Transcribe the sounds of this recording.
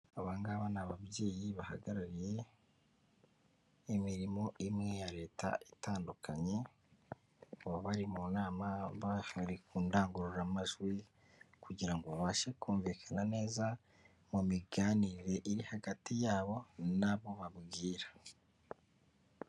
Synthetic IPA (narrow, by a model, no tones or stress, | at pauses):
aβaŋɡaβanaβabje̞ːjiβaha̰ɡaɾaɾije̞ | miɾimo̞ʔimŋe̞jaɾe̞ːta̰itaːndukʰaɲe̞ | βoβaɾimunaːmaβahaɾikuːndaːŋɡuɾuɾamaʒwi | kuɟiɾaŋɡo̞βaβaʃekuːɱviːkʰanane̞ːza | mumiɡaːniɾe̞ʔiɾihaɡatijaːβo̞naβo̞βaβɡiːɾḁ